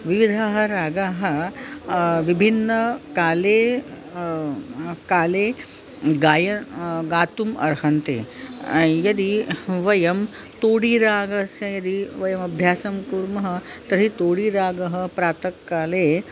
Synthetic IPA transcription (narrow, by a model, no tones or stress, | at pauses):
ʋiʋid̪ʱaːɦɐɾaːɡaːɦɐ̆ | ʋibʱinːɐkaːleː | kaːleː | ɡaːjɐɡaːt̪umɐ̰ɾɦɐnt̪ḛː | jɐd̪iʋɐjɐm | t̪oːɽiɾaːɡɐsjɐjɐd̪iʋɐjɐmɐbʱjaːsɐmkuɾmɐɦɐ̆t̪ɐɾɦit̪oːɽiɾaːɡɐɦɐ̆pɾaːt̪ɐkːaːleː